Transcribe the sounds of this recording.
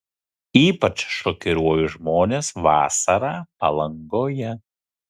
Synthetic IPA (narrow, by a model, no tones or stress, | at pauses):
iːpɐt͡ʃʃɔkʲɪɾuɔjʊʒmoːnʲeːsʋɑ̰ːsɐɾɑːpɐ̰lˠɐŋɡoːjɛ